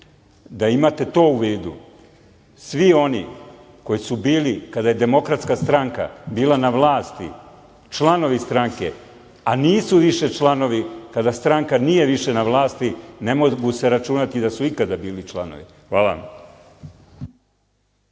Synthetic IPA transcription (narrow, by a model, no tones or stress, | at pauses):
d̪aimat̪e̞t̪o̞ːuʋiːd̪ṵ | sʋio̞ni | ko̞jisubiːlikad̪aje̞d̪e̞mo̞kɾat̪skast̪ɾaŋka̰biːlanaʋlˠaːst̪ḭ | t͡ʃlˠano̞ʋist̪ɾaŋke̞̰ | aniːsuʋiʃe̞t͡ʃlˠano̞ʋikad̪ast̪ɾaŋkanije̞ʋiʃe̞naʋlˠaːst̪ine̞moɡuse̞ɾat͡ʃunat̪id̪asuikad̪abiːlit͡ʃlˠano̰ʋḭxʋaːla̰